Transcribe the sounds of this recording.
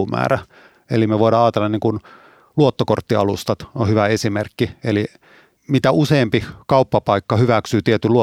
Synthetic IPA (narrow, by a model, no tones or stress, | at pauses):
umæ̰ːræ | ḛlimeʋoiɾɑːɑːt̪elːɑniːŋkun | luot̪ːokort̪ːiɑ̰lust̪ɑt̪ohyʋæesimerkːieli | mit̪æuseːmpikɑupːɑpɑikːɑhyʋæksyːt̪iet̪yluo